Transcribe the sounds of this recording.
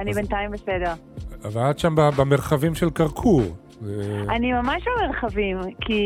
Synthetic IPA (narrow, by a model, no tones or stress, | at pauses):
anibentaimbesedeʁ | avat̪ʃambabameʁχavimʃelkaʁkʰuʁ | zeanimamaʃbameʁχavimkʰi